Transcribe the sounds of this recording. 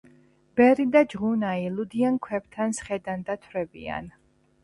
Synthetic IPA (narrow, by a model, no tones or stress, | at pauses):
b̥ɛɾid̪ad͡ʒʁunailud̪iaŋkʰwɛp̚t̪ʰansχɛd̪and̪at̪ʰɾɛbḭa̰n